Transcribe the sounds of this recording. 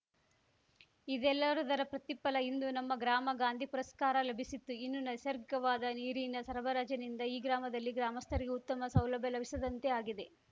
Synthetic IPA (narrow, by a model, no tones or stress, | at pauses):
id̪ɛlːɐɾud̪ɐɾɐpɾɐt̪ipːɐlɐind̪unɐmːɐɡɾaːmɐɡaːnd̪ʱipuɾɐskaːɾɐlɐbʱisit̪ːuinːunɐsɐɾɡɐʋaːd̪ɐniːɾinɐsɐɾɐbɐɾaːd͡ʒɐnind̪ɐiːɡɾaːmɐd̪ɐlːiɡɾaːmɐst̪ʰɐɾiɡeut̪ːɐmɐsɐwlɐbʱjɐlɐbʱisɐd̪ɐnt̪e̞aːɡid̪e̞